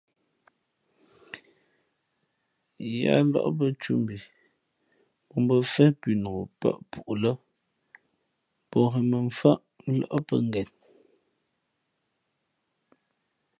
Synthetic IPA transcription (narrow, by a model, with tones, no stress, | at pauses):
ja̰˦lɔ̰˦ʔp̬ə˦t͡ʃu˦mbi˨ | pɔ˨m˦bə˦˨fɛ˦pi˨no˨o˨pə̰˦ʔpu˨ʔlə˦ | pɔ˨ɣɛ˨mə˨ɱ̩˨fa˦ʔlɔ̰˦˨ʔpə̰˦ŋ˦ɡɛ˨n